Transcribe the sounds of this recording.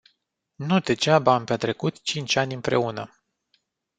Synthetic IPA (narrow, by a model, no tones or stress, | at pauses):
nud̪e̞d͡ʒabaampeat̪ɾe̞kut̪t͡ʃint͡ʃanʲɨmpɾe̞unə